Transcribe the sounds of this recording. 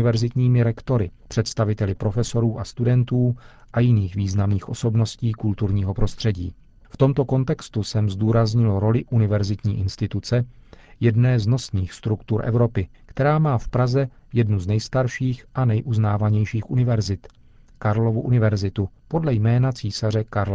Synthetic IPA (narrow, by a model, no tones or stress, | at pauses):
ɪvɛɾzɪt̪ɲiːmɪɾɛkt̪o̞ɾɪpr̝̥ɛt̪st̪avɪt̪ɛlɪpɾo̞fɛso̞ɾuːʔast̪udɛnt̪uːʔajɪniːxviːznamniːxʔo̞so̞bno̞sciːkult̪uɾɲiːɦo̞pɾo̞st̪r̝̥ɛɟḭː | ft̪o̞mt̪o̞ko̞nt̪ɛkst̪usɛmzduːɾazɲɪlɾo̞lɪʔunɪvɛɾzɪt̪ɲiːʔɪnst̪ɪt̪ut͡sɛ | jɛdnɛːzno̞sniːxst̪ɾukt̪uɾʔɛ̰vɾo̞pɪkt̪ɛɾaːmaːfpɾazɛ | jɛdnuznɛjst̪aɾʃiːxʔanɛjʔuznaːvaɲɛjʃiːxʔunɪvɛɾzɪt̪ | kaɾlo̞vuʔunɪvɛɾzɪt̪upodlɛjmɛːnat͡siːsarɛkaɾl